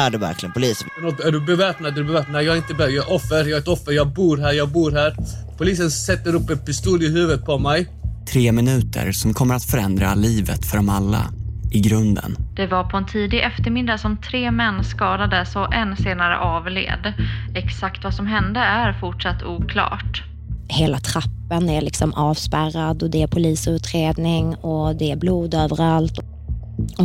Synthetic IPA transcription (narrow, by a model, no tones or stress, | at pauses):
æɖɵvæ̰ɾklɪɡənpʰʊliːsənpɛnɔt̪ːæɖɵbɛvɛːpnad̪æɖɵbɛvɛːp̚nad̪jɑːɡɪnt̪əbɛjɔfːəɾjɑːɛt̪ɔfːəɾjɑːɡ̚buːɾɦæːɾjɑːɡ̚buːɾɦæːɾpʰʊliːsənsɛt̪ːəɾɵpːɛt̪̚pɪst̪uːlɪɦʉ̟ːvət̪̚pʰɔmɛj | t̪ʰɾeːmɪnʉ̟ːt̪ʰə̰ɾsɔmkʰɔmːəɾat̪fœɾɛnd̪ɾa̰liːvə̰t̪fœɖɔmalːa̰ɪɡɾɵnd̪ə̰nd̪̥ɛvaɾpʰɔɛnt̪ʰiːd̪ɪɡʔɛft̪əɾmɪd̪ːasɔmt̪ʰɾeːmɛnːskɑːd̪ad̪əsɔʔɛnːseːnaɾə̰ʔɑːvlḛːd̪ɛksakt̪vasɔmɦɛnd̪əæɾfʊʈʂat̪ːuːkʰlɑ̰ːʈ | heːlat̪ʰɾapːənæɭɪksɔmʔɑːvspæɾad̪ɔd̪ɛæpʰʊliːsʉ̟ːt̪ɾeːd̪nɪŋɔd̪ɛæbluːd̪øːvəɾalt̪ | ɔ